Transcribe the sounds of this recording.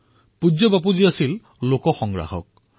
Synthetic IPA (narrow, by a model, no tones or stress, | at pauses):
pud͡ʒɔbap̬uziasil | lokɔxɔŋɡɹa̰ɦɔ̰k̚